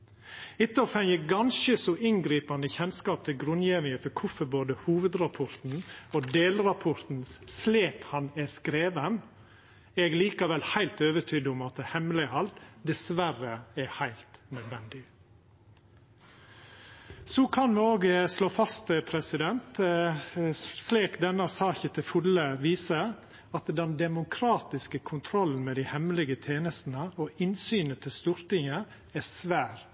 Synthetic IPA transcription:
ɪt̪ːəɔːfɛŋjəɡɑnʃəsɔʔɪnɡɾiːpɑnəçɛnskɑːp̚t̪ʰɪlɡɾʉnjeːʋɪŋəfɔɾkʰʊfəboːd̪əhuːʋəd̪ɾɑpʰɔɾt̪n̩oːd̪eːlɾɑpʰɔɾt̪n̩sleːkhɑnɛskɾeːʋən | ɛɡliːkəʋɛlhæɪlt̪øːʋəʈʰyːd̪əʊmɑt̪əhɛmlɪhɑlt̪d̪ɛsʋæɾəɛhæɪlt̪nœd̪ʋɛnd̪ɪ | sɔkʰɑnmɛoːɡsloːfɑst̪əpʰɾɛsɪd̪ɛnt̪ | sleːkd̪ɛnːəsɑːçət̪ʰɪfʉləʋiːsə | ɑt̪d̪ɛnd̪ɛmʊkʰɾɑːt̪ɪskəkʰʊnt̪ʰɾɔlːn̩mɛːd̪ɪhɛmlɪɡət̪ʰjeːnəst̪n̩əoʔɪnsyːnət̪ʰɪst̪uɾt̪ɪŋə | æsʋæːɾ

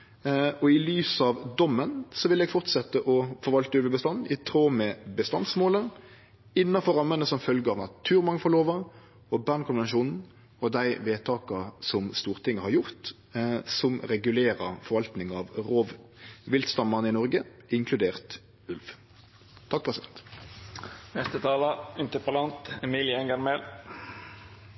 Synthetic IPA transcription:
ɔɪlyːsɑʋd̪ɔmːənsɔʋɪlɛːɡfɔʁt̪sɛt̪ːəʔɔfɔɾʋɑlt̪əʉlʋəbəst̪ɑnːɪt̪ʰɾoːmɛbəst̪ɑnsmoːlə | ɪnːɑfɔɾɑmːənəsɔmfœlɡəɑːʋnɑt̪ʰʉːɾmɑŋfɔloːʋəɾ | ɔbæːnkʰʊnɛnʃuːnn̩ | ɔd̪æɪʋeːt̪ʰɑːkəsɔmst̪uːʁt̪ʰɪŋːəhɑɾjʊʁt̪ | sɔmʁɛɡʉleːʁəʁfɔʁʋɑlt̪nɪŋɑːʋʁoːʋʋɪlt̪st̪ɑmɑʁnəɪnɔʁɡə | ɪŋkʰlʉd̪eːʁt̪ | ʉlʋ | t̪ʰɑk̚ːpʰʁɛsɪɛnt̪ | nɛst̪ət̪ʰɑːlɑɪnt̪əpəlɑnt̪ɛmiːlɪɛŋɡɑɾmel

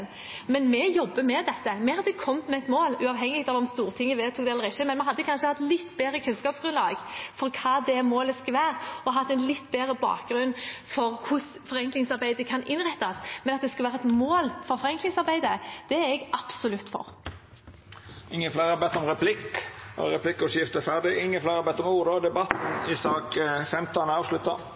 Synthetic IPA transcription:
n | mɛnmɛjɔbːəmɛd̪ɛt̪ːəmɛʁɑd̪ɛkʰɔmːmɛɛt̪moːlʉɑːʋɦɛŋːɪɡ̚t̪ɑʋɔmst̪uːʁt̪ʰɪŋːəʋeːt̪ʰuːkd̪ɛɛləʁɪʃːəmɛnmɛnhɑd̪ːəkʰɑnʃəhɑt̪ːlɪt̪ːbeːɾəkʰʉnskɑːpsɡ̥ɾʉnlɑːɡfɔɾkʰɑːd̪ɛmoːləskɑlʋæːʁɔɦɑt̪ːɛnlɪt̪ːbeːɾəbɑ̰ːkɡɾʉnːfɔʁkʰʊs | fɔʁɛŋklɪŋsɑɾbæɪd̪əkʰɑnʔɪnɾɛt̪ːɑsmɛnɑt̪̚d̪ɛskɑʋæːɾəɛt̪moːlfɔɾfɔʁɛŋklɪŋsɑʁbæɪd̪əd̪̥ɛæɾɛɡɑb̥sʊlʉt̪ːfɔ̰ɾ | ɪŋːənflæɪɾæbɛt̪ːɔmʁɛpʰlɪkɔ̰ɾɛpʰlɪkːʊʂjɪft̪əfæʁd̪ɪɪŋːənflæɪɾɛbɛt̪ːɔmuːɾəd̪ɛbɑt̪n̩ɪsɑːkfɛmt̪ʰɑnəɑːʋʂlʉt̪ːɑ̰

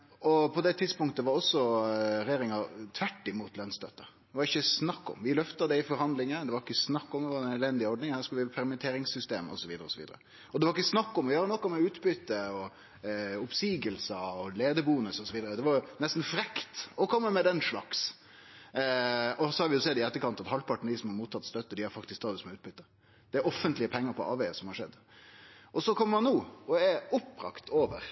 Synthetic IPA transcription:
ɔpʰɔd̪ɛt̪ʰɪd̪spʊŋkt̪əʋɑɾɔsːɔɾɛjeːɾɪŋɑt̪ʰʋæʈːɪmut̪lœnst̪œt̪ːə | d̪ɛʋɑɾɪçːəsnɑkːɔ̰mʋɪlœft̪ɑd̪ɛɪfɔɾhɑnd̪lɪŋəd̪ɛʋɑɾɪkːəsnɑkːɔmd̪ɛʋɑɾnɛd̪lɛnd̪ɪɔɖnɪŋhæːɾskʉlʋɪɾpʰɛɾmɛnt̪ʰeːɾɪŋsːʏst̪eːmɔ̰sɔʋiːd̪əɾəɔsɔʋḭːd̪ə̰ɾə | ɔd̪ɛʋɑɾɪkːəsnɑkːɔmɔjøːɾənɔkːɔmɛʉːt̪bʏt̪ːəɔ | ʊpsiːɡəlsɑɔleːd̪əbuːnəsɔsɔʋiːd̪əɾəd̪ɛʋɑɾnɛst̪n̩fɾɛkt̪ɔkʰɔmːəmɛd̪ɛnʂɭɑ̰ks | ɔsɔhɑɾʋɪjʊsɛd̪ɪɛt̪ːəkɑnt̪ɑt̪hɑlpʰɑʈɳn̩d̪ɪsɔmhɑɾmuːt̪ʰːɑt̪ːst̪œt̪ːəd̪ɪhɑɾfɑkt̪ɪskt̪ʰɑːd̪ʊsmɛʉːt̪bʏt̪ːə | d̪̥ɛæɾɔfːənt̪lɪəpʰɛŋːəɾpʰɔʔɑ̰ːʋeɪəsɔmhɑʂɛd̪ː | ʔɔsɔkʰɔmːmɑnnuːɔɛʊpːɾɑ̰kt̪ʰoːʋə̰ɾ

